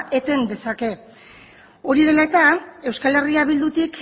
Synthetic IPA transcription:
ʔe̞t̪e̞nd̪e̞sake̞ | o̞ɾið̞e̞laet̪ae̞wskale̞riaβ̞ild̪ut̪ik

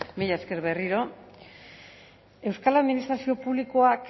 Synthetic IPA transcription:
miʎaeske̞ɾβe̞riɾo̞ | e̞wskalaðminist̪ɾasio̞puβliko̞ak

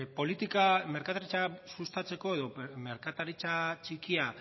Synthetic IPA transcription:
po̞lit̪ikame̞ɾkat̪aɾit͡ʃasust̪at͡se̞ko̞e̞ðo̞me̞ɾkat̪aɾit͡sat͡ʃikia

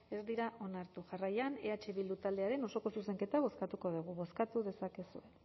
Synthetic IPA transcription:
e̞zd̪iɾaʔo̞naɾt̪uʝarajane̞at͡ʃe̞βild̪ut̪ald̪e̞aɾe̞no̞so̞ko̞suse̞ŋke̞t̪aβ̞o̞skat̪uko̞ðuɣ̞uβo̞skat̪uðe̞sake̞sue̞n

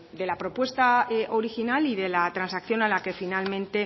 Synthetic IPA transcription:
d̪e̞lapɾo̞pwe̞st̪aʔo̞ɾixinaliðe̞lat̪ɾansakθjo̞nalake̞finalmẽ̞nt̪e̞

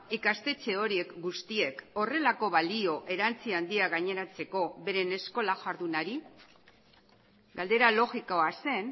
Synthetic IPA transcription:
ikast̪e̞t͡se̞o̞ɾie̞kɡust̪ie̞ko̞re̞lako̞βalio̞ʔe̞ɾant͡siand̪iaɣaɲe̞ɾat͡se̞ko̞βe̞ɾe̞ne̞sko̞laʝaɾðunaɾi | ɡald̪e̞ɾalo̞ɣikoase̞n

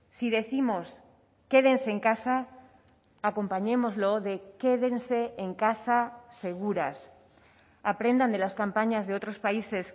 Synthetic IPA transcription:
siðe̞θimo̞s | ke̞ðe̞nse̞ːŋkasaː | ko̞mpaɲẽ̞mo̞zlo̞ðe̞ke̞ðe̞nse̞ːŋkasase̞ɣ̞uɾas | apɾend̪and̪e̞laskampaɲazðeo̞t̪ɾo̞spaise̞s

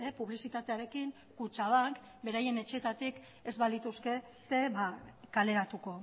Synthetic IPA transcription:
epuβlisit̪at̪e̞aɾe̞kiŋ | kut͡ʃaβaŋk | be̞ɾaje̞ne̞t͡ʃeːt̪at̪ik | ezβalit̪uske̞ | se̞βakale̞ɾat̪uko̞

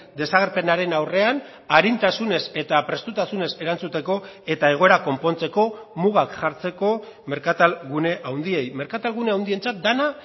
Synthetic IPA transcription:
d̪e̞saɣ̞eɾpe̞naɾe̞nawre̞an | aɾint̪asune̞se̞t̪apɾe̞st̪ut̪asune̞se̞ɾant͡sut̪e̞ko̞e̞t̪ae̞ɣ̞o̞e̞ɾako̞mpo̞nt͡se̞ko̞muɣ̞akʝaɾt͡se̞ko̞me̞ɾkat̪alɣune̞ʔawnd̪ie̞jme̞ɾkat̪alɣune̞awnd̪ie̞nt͡sat̪̚d̪ana

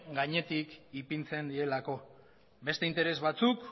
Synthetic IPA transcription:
ɡaɲe̞t̪ikipint͡se̞nd̪ie̞lako̞ | be̞st̪e̞int̪e̞ɾe̞zβat͡suk

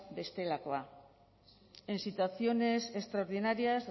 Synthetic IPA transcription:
be̞st̪e̞lako̞a | e̞nsit̪uaθio̞ne̞se̞st̪ɾao̞ɾð̞inaɾiaz

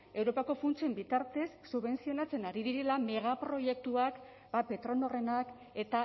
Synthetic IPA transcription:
e̞wɾo̞pako̞funt͡sie̞mbit̪aɾt̪e̞sːuβe̞nsio̞nat͡se̞naɾiðiɾe̞lame̞ɣapɾo̞je̞k̚t̪uak | bape̞t̪ɾo̞nore̞nak | e̞t̪a

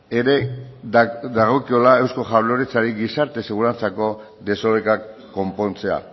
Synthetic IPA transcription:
e̞ɾe̞ | d̪aɣ̞o̞kio̞lae̞wsko̞ʝaβlo̞ɾet͡saɾiɡisaɾt̪e̞seɣ̞uɾant͡sako̞ | ðe̞soβekakː | o̞mpo̞nt͡se̞a̰

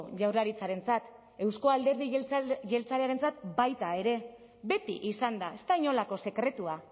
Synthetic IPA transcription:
ʝawɾrlaɾit͡saɾe̞nt͡sat̪ | e̞wsko̞ald̪e̞ɾðiʝe̞lt͡saɾeaɾe̞nt͡sat̪bajt̪ae̞ɾe̞ | be̞t̪ḭʔisand̪ae̞st̪aiɲo̞lako̞se̞kɾe̞t̪ua

